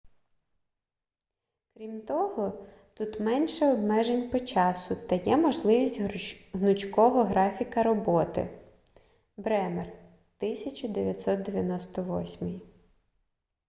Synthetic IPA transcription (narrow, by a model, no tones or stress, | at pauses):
kɾʲimt̪ɔɦɔ | t̪ut̪mɛnʃɛɔbmɛʒenʲpɔt͡ʃɑsʊt̪ɐjɛmɔʒlˠɪʋʲisʲtʲɦnʊt͡ʃkɔɦɔɦɾɑfʲikɐɾɔbɔt̪ɪ̰ | bɾɛmer | t̪ɪsʲɐt͡ʃʊd̪eʋʲjɐt̪ʲsɔt̪̚d̪eʋʲjɐnɔst̪ɔʋɔ̰sʲmiji